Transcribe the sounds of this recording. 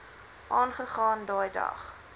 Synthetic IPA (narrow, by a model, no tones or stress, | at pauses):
ʔɑːnχəχɑːndɑːjdɐ̰χ